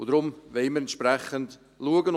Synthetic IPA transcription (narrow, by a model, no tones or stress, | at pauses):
ʊdɾʊmvɛɪməɾɛnʃpɾɛχːənd | luəɡən